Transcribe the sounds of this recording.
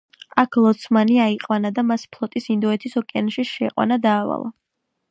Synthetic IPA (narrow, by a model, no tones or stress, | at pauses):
akʰlˠɔt̪sʰmaniaiqʼwanad̪amaspʰlˠɔt̪ʼisind̪ɔɛt̪ʰisɔkʼɛanʃiʃɛqʼwa̰nad̪aːva̰lˠa̰